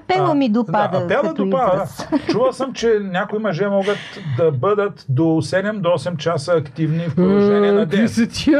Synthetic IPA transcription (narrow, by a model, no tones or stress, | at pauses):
pɛlˠəmid̪opaadɐpɛlˠəd̪opad̪t͡ʃuvəlˠsəmt͡ʃɛnʲakʊimɐʒɛmɔɡət̪ | d̪ɐbəd̪ət̪d̪osɛd̪ɛmd̪oɔsɛmt͡ʃasəːkt̪ivnifɾʒɛniɛnɐd̪ɛisɐt̪i